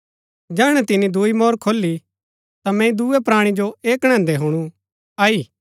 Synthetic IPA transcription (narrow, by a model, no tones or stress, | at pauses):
d͡ʒɛːɽ̃ɛt̪ɪnid̪uimɔːɾkʰoːlːi | t̪amɛ̃ĩd̪uɛpɾaːɽ̃id͡ʒoeːkɽ̃ɛ̃ːnd̪ɛɦuɽ̃ũ | aːiː